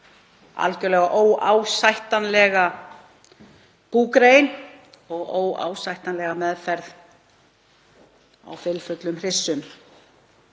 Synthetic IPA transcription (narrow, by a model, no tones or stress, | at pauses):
a̰lcʏɾlɛɣaʔoːwaːwsajht̪anlɛːɣa | puːkɾeːjn | ɔɣoːwa̰ːwsajht̪anlɛɣamɛðfɛɾð | a̰wfɪlfʏt̪lʏmr̥ɪsːʏm